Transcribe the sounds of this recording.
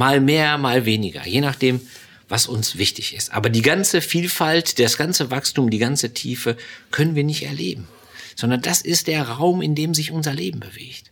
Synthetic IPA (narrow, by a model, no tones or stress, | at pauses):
maːlmeːɐmaːlveːnɪɡɐ̰jeːnaχd̥eːm | vasʊnsv̥ɪçtɪçɪstʔa̰ːbɐdiːɡant͡səfiːlfaltd̥asɡ̥ant͡səvakstuːmdiːɡant͡sətʰiːfəkʰœnənviːɐnɪçtɛ̰ɐlḛːbm̩ | z̥ɔndɐnd̥asɪst̚d̥eːɐʁaʊmɪndeːmzɪçʔʊnzɐleːbm̩bəvḛːçt